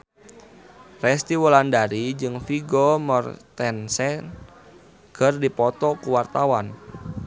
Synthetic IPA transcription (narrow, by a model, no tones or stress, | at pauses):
rɛst̪iwɔlandaɾid͡ʒɨŋfiɡɔmɔrt̪ɛnsɛ | ɡ̥ərdipɔt̪ɔkuwart̪awan